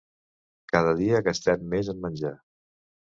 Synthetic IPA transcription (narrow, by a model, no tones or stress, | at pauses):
kaðəðiəkəst̪ɛmːezəmmənʲd͡ʒa